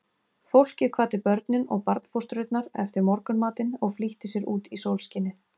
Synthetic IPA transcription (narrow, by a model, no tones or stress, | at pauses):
fowl̥cɪðkʰvaːt̪ɪpœɾt̪nɪnɔ̰ɣpaɾt̪n̥fowst̪ɾʏt̪naɾɛft̪ɪɾmɔɾkʏnmaːt̪ɪnɔɣfliht̪ɪsjɛɾuːt̪isowlscɪnːɪ